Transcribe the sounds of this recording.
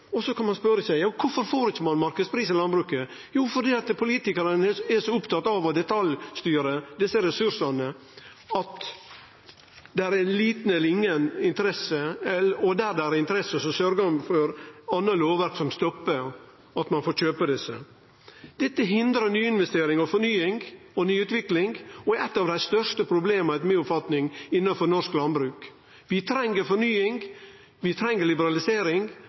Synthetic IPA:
ɔsɔkʰɑnmɑnspœɾəsæɪjɑːkʰʊfɔɾfoːɾɪçəmɑnmɑɾkəspʰɾiːsɪlɑnbɾʉːkə | juːfɔɖ̪iːɑt̪pʰʊliːt̪ɪkəɾənɛʂɔʊpt̪ʰɑt̪ːɑʋɔd̪ɛt̪ʰɑljst̪yːɾəd̪ɪsːəɾɛsʉɾʂɑnə | ɑt̪ | d̪ɛæɾɛnliːt̪n̩ɛlːəɾɪŋːənɪnt̪əɾɛsəɛɔd̪æɾd̪ɛæɾɪnt̪əɾɛsːəsɔsœɾɡəɑnfɔɾɑnːəloːʋəɾt̪sɔmst̪ɔpːə | ɑt̪mɑnfoːɾçøːpəd̪ɛsːə̰ | d̪̥ɛt̪ːəɦɪnd̪ɾənyːɪnʋɛst̪eːɾɪŋɔfɔɾɳyːɪŋɡ | ɔnyːʉːt̪ʋɪklɪŋɡɔɛt̪ːɑʋd̪æɪst̪œʂʈəpʰɾʊbleːmt̪meːʊpfɑt̪nɪŋɪnːɑnfɔɾnɔʂklɑnbɾʉːk | ʋɪt̪ʰɾɛŋːəɾfɔɾɳyːɪŋ | ʋɪt̪ʰɾɛŋːəɾɭɪbəɾɑlɪseːɾɪŋ

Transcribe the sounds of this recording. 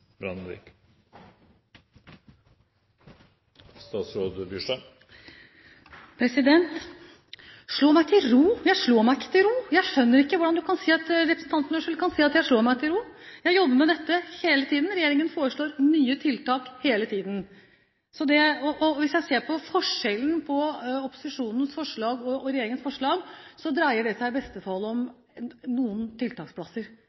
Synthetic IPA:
bɾɑ̰nɾḭk | st̪ɑːt̪sɾoːd̪bjyʂə | pʰɾɛsɪd̪ɛnt̪ | ʂɭoːmæɪt̪ʰɪlɾuːjæɪʂɭoːmæɪɪkːə̥t̪ʰɪlɾuːjæɪʂœnːəɾɪkːəʋʊɖɑnd̪ʉkʰɑnsiːɑt̪ɾɛpɾəsn̩t̪ɑnt̪nəʂʉlkʰɑnsiːɑt̪jæɪʂɭoːmæɪt̪ʰɪlɾuːjæɪjɔbːəɾmɛd̪ɛt̪ːəheːlət̪ʰiːd̪n̩ɾɛjeːɾɪŋənfoːɾəʂɭoːɾnyːət̪ʰɪlt̪ɑːkheːlət̪ʰiːd̪n̩ | sɔd̪ɛɔʔɔʋɪsjæɪseːɾpʰɔfɔʂɛlən̩pʰɔɔpʊ̥sɪʂuːnən̩sfɔʂɭɑːɡɔɔɾɛjeːɾɪŋənsfɔʂɭɑːɡsɔd̪ɾæɪəɖɛsæɪbɛst̪ət̪ʰɑlːɔm | nuːənt̪ʰɪlt̪ʰɑːkspʰlɑsəɾ

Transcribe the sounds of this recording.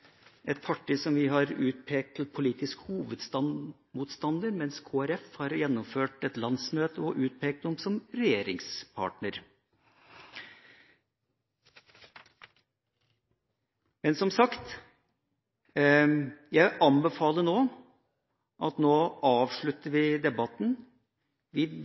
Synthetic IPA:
ʔɛt̪̚pʰɑʈːiːsɔmʋɪɦɑɾʉːt̪̚pʰeːk̚t̪ʰːl̩pʰʊliːt̪ɪskə̥huːʋəd̪st̪ɑ | muːt̪st̪ɑnd̪əɾmɛnskʰoːæɾɛfhɑɾjɛnːʊmføːʈɛt̪lɑnsmøːt̪əɔʔʉːt̪̚pʰeːk̚t̪ɔmsɔmɾɛjeːɾɪŋspʰɑ̰ːʈɳəɾ | mɛnsɔmsɑkt̪ | jæɪʔɑnbɛfɑːlənoː | ʔɑt̪noːʔɑːʋʂɭʉt̪ːəɾʋɪd̪ɛbɑt̪n | ʋɪ

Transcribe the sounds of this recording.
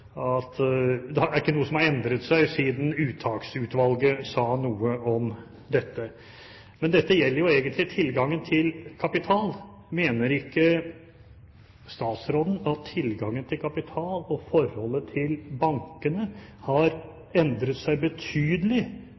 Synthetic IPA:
ɑt̪d̪ɛæɾɪkːənuːəsɔmhɑɾɛnd̪ɾət̪sæɪsiːd̪n̩ʉːt̪ʰɑːksʉːt̪ʋɑlɡəsɑːnuːəɔm | d̪ɛt̪ːə | mɛnd̪ɛt̪ːəjɛlːəɾjʊeːɡənt̪lɪt̪ʰɪlɡɑŋːənt̪ʰɪlkʰɑpɪt̪ʰɑːl | meːnəɾɪkːə | st̪ɑːt̪sɾoːd̪n̩ɑt̪ʰːɪlɡɑŋːənt̪ʰɪlkʰɑpɪt̪ʰɑːlɔfɔɾhɔlːət̪ʰɪlbɑŋkənə | hɑɾ | ɛnd̪ɾət̪sæɪbət̪ʰyːd̪əlɪ

